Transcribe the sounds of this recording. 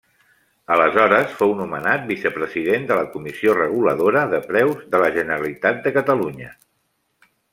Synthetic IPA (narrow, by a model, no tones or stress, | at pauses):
ələzɔɾəsfownumənat̪̚bisəpɾəziðend̪ələkumisiorəɣ̞uləðoɾəðəpɾɛwzðələʒənəɾəlit̪at̪̚d̪əkət̪əluɲə